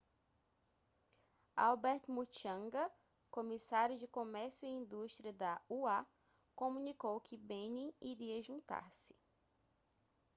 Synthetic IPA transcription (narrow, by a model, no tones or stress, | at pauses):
a̰wbɛɾt̪ʊmut͡ʃɐ̃ŋɡɐ | komisaɾjʊd͡ʒɪkõmɛɾsjʊiĩnd̪uʃt̪ɾiɐd̪ɐua | kõmũnikowkɪbẽnĩiɾiɐʒũnt̪a̰ɾsɪ̥